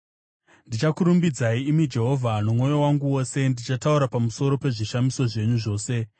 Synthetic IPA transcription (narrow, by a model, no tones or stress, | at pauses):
ndit͡ʃakuɾumbid͡zaiimid͡ʒe̞ɦo̞vʱanomŋo̞jo̞waŋɡuwo̞se̞ndit͡ʃatauɾapamuso̞ɾo̞pe̞ʐiʃamiso̞ʐe̞ɲuʐo̞ːse̞